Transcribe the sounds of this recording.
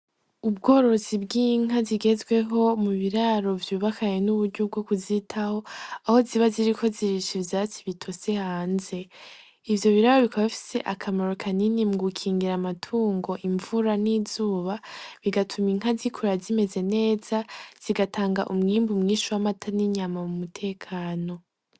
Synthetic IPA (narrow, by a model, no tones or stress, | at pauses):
ub̚ɡo̞ːɾo̞zibɡiːŋ̥ɦaziɡe̞zɡwe̞ɦo̞muβiɾaɾo̞vjuːβakʰajenuβuɾɟob̚ɡokuzitʰaho̞aho̞ziβaziɾiko̞ziɾiʃivjaːt͡siβitʰo̞se̞haːnze̞ | ivjo̞βiɾaɾo̞βikʰaβaβifi̥se̞ʔakʰamoɾokʰaninimuɡukʰiːŋɡiɾamatʰuːŋɡo̞ʔiɱvuɾanizuːβaβiɡatʰumiŋ̥ɦazikʰuɾazime̞ze̞ne̞ːz̥az̥iɡatʰaːŋɡa̰ʔumŋiːmbumŋiːʃuwamatʰaniɲamamumutʰe̞ːkʰaːno̞